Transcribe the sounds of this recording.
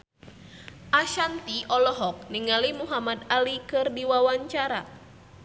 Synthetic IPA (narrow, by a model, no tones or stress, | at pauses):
ʔaʃant̪iʔɔlɔɦɔk̚niŋalimuɦamad̪alikɨrdiwawaɲt͡ʃaɾa̰